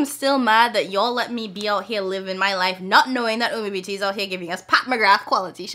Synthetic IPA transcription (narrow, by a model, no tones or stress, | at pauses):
mstɪlˠmæd̪̚ðɨt͡ʃlɛt̚mibiaʊt̚hiɹlɪvɨ̃nmaɪlaɪfnətⁿnoʊɪ̃ŋðɨt̚õibitʰizaʊt̚hiɹɡɪvɪ̃ŋʌspʰæt̚mɨɡɹæfkʰw̥ɑlˠəɾʰi